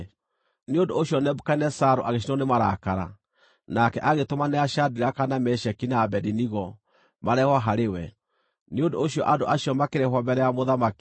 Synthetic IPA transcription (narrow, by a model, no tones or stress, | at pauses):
neondoːɕjɔnɛbukainɛsaɾoʔaɣeʃ̬inɔnemaɾa̰kaɾa̰ | nakɛʔaɣetomaneaʃadiɾakanamɛʃɛkinaːbɛdiniɣɔ | maɾɛhwaɦaɾewɛ | neondoːɕjɔ̰ʔadoʔaɕjɔmakeɾehwɔmbɛɾɛjamoðamaki̥